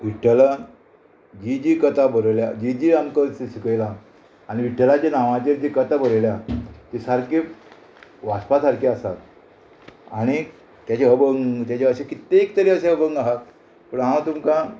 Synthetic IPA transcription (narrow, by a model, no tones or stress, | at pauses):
ʋiʈʰːəla | d͡ʑid͡ʑikət̪abəɾljad͡ʑid͡ʑiamkəsisikəjlaː | ɽ̃iʋiʈːəlad͡ʑenaʋãt͡ɕeɾd͡ʑikət̪abəɾljat̪isaɾke | ʋaspasaɾkeasat̪ | a̰ɽ̃i | t̪jat͡ɕeɦəbəŋɡt̪jat͡ɕeəɕekit̪eːk̚t̪əɾeəɕẽɦəbəŋɡaɦat̪ | pəɳɦãwt̪umkã